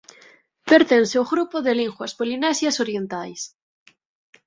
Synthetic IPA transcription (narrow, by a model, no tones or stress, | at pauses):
peɾt̪enseoɣɾupoðeliŋxwaspolinɛsjasoɾjent̪ajs